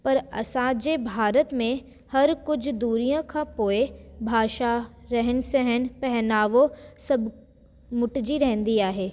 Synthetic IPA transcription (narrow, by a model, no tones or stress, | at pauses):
pɐɾɐ̰sãːd͡ʑeːbʱaːɾət̪mẽ | hɐɾkʊd͡ʑʱd̪uːɾijãkʰãpoːebʱaːʃaɾɐɦənɪ̆sɐɦən̆pɛɦnaːʋosɐb | mʊʈd͡ʑiɾɐɦə̃nd̪iaːɦeː